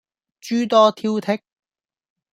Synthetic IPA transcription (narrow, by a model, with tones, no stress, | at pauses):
t͡ʃyː˥t̪ɔː˥t̪ʰiː˥wt̪ʰɪ˥k̚